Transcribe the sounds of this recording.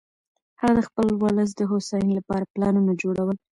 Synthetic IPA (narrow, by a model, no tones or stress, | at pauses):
haɣad̪əxpəlwɑləs̬d̪əɦosɑjənlapɑɾaplɑnunad͡ʒoɽawəl